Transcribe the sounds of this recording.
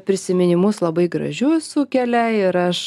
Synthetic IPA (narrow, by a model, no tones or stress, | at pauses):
pʲɾʲɪsʲɪmʲɪnʲɪmʊslˠɐbɐɪɡɾɐ̰ʒʲʊsʊkʲɛlʲɛɪɪɾɐʃ